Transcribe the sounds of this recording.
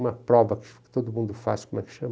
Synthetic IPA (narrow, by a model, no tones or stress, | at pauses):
mɐpɾɔvɐkkɨ̥t̪oðumũnd̪ufa̰ʃkomɛkʃɐm